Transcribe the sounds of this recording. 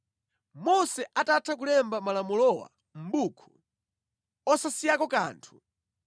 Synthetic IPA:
mɔsɛʔatatʰak̬ulɛmbamalamulɔwa̰ | m̩bukʰu̥ | ɔsasijakɔka̰ːntʰu̥

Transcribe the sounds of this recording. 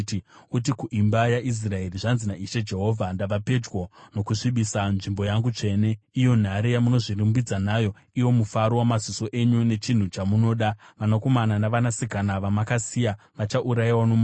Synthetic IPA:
utikuʔimbajaʔis̬rae̞riʐanzinaiʃe̞d͡ʒe̞ɦo̞ːvʱandaʋape̞d͡ʒɡwono̞kuʂiɓisanʐimbo̞jaŋɡut͡ʂe̞ne̞ijo̞n̤aɾijamuno̞ʐirimbid͡zanajo̞ | iwo̞mufaɾowamaziso̞ʔe̞ɲune̞t͡ʃin̤ut͡ʃamuno̞ːɗaʋanako̞mananaʋanasikanaʋamakasija | ʋat͡ʃaʔuɾaiwanom

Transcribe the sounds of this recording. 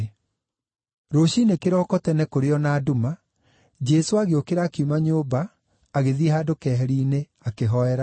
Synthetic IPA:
ɾoɕinekeɾɔːkɔtɛnɛkoɾeɔnaːduma | d͡ʒɛsoaɣeokeɾaːkeumaɲoːbaː | ɣeðiɛhaːdokɛːɦɛɾiːne | akeɦɔɛɾa

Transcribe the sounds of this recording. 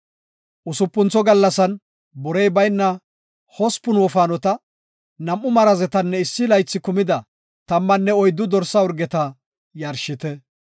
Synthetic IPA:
ʔʊsʊpːʊnt͡sːɔɡɐlːɐsɐn | bɔɾɛjbɐjnːɐ | hɔspʊnwɔfaːnɔt̪ɐ | nɐmːʊmɐɾɐzɛt̪ɐnːɛɪsːɪlɐjt͡sːɪkʊmɪd̪ɐ | t̪ɐmːɐnːɛɔjd̪ːʊd̪ɔɾsːɐɔɾɡɛt̪ɐ | jɐɾʃɪt̪ɛ

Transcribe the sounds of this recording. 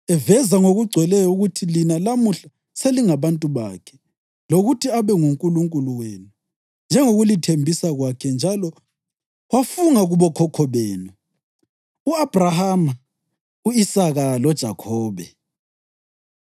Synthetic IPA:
ɛvɛzaŋoɣuɡ͡ǀʱwɛlɛjɔuɣutʰilinalamuɬa | seliŋaβantʼuβa̰ːkʰɛ̥ | loɣutʰiaβɛŋuŋkʼuluŋkʼuluwenu | nd͡ʒʱɛŋoɣulitʰembʱisaɣwakʰɛnd͡ʒʱalɔ | wafuŋaɣuβɔkʰɔkʰɔβɛːnɛ | uab̥rahama | uisaɣalɔd̥ʒ̥ʱakʰɔːβɛ

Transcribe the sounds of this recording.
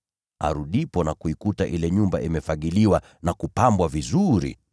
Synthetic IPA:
a̰ɾuɗipɔnakuikutaʔilɛɲumba̰ʔimɛfaɠiliwa | nakupambwavizuɾḭ

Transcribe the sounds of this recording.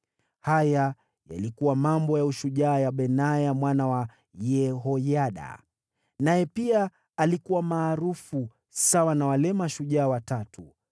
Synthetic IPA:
haja | ja̰likuwamambɔjauʃuʄaːjaɓɛnajamwanawa | jɛɦɔjaɗa̰ | najɛpiaː | likuwamaːɾufu | sawanawalɛmaʃuʄaːwatatʰu

